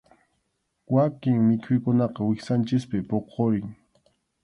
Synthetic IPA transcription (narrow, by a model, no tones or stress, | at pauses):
wakɪŋmɪkʰʊjkʊnɑqɑwɪxsant͡ʃɪspɪpoqʰoɾɪŋ